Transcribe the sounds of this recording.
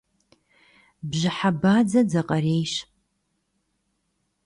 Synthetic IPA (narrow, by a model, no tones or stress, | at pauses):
bʒɪħabaːd͡zɐd͡zɐqʼɐreːjʃ